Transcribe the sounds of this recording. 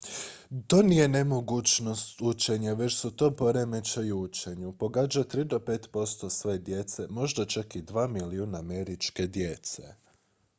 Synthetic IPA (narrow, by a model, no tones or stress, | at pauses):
t̪o̞nije̞ne̞moɡuːt͡ʃno̞st̪ut͡ʃe̞ɲaʋe̞t͡ʃsut̪o̞ːpo̞ɾeme̞t͡ʃejuut͡ʃe̞ɲupo̞ɡaːd͡ʒat̪ɾiːd̪o̞pe̞t̪po̞st̪o̞sʋoed̪je̞t̪se̞mo̞ʒd̪at͡ʃakid̪ʋaːmiliuname̞ɾit͡ʃke̞d̪je̞t̪se̞̰